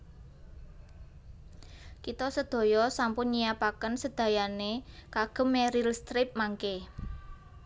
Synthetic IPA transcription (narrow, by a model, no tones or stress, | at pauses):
kit̪ɔsəd̪̥o̤jɔsampʊnɲijapakənsəd̪̥a̤janekaɡ̥ə̤mːeɾilst̪ɾɪp̚maŋke